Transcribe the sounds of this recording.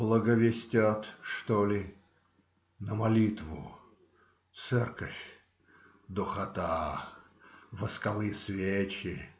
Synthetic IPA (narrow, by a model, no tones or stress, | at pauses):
blˠəɡəvʲɪsʲtʲat̪ʂt̪olʲɪ | nəmɐlʲit̪vʊ̰ | t̪sɛrkəfʲ | d̪ʊxɐt̪a | vəskɐvɨjəsvʲet͡ɕɪ